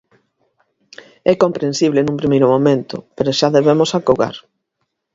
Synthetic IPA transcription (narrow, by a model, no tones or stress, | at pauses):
ɛkompɾensiβlenũmpɾimejɾʊmõmẽnt̪ʊ̰peɾoʃaðeβemosakoɣa̰ɾ